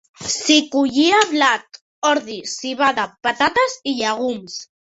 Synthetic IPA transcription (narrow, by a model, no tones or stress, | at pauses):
sikuʎiaβlat̪ | ɔɾðisiβaðapat̪at̪aziʎaɣ̞ums